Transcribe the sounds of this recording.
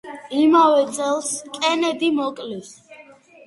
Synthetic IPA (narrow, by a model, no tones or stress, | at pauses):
imavɛt̪sʼɛlˠskʼɛnɛd̪imɔkʼlis